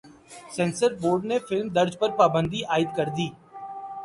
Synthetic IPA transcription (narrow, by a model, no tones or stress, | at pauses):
sɛ̃ːnsəɾboːɾɖnefɪlmd̪ɐɾd͡ʒpəɾpaːbə̃nd̪iʔaːɪd̪kɐɾd̪iː